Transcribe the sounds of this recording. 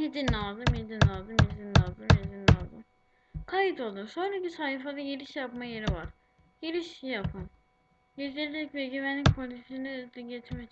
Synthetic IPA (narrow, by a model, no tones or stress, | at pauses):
hid̪inalˠd̪ɯmhed̪inalˠd̪ɯmhizinːalzɯmhed̪inːalˠd̪ɯm | kʰajit̪ʰo̞lˠd̪umso̞nɾacisaːhifad̪aɟeɾiʃjapmajeɾivaɾ̥ | jeɾiʃjapʰɯn | ɟed͡ʒ̪iɾlʲicvɛɟyvɛnlʲicpʰolʲisinɛzd̪iɟet͡ʃ̪ʰmɛ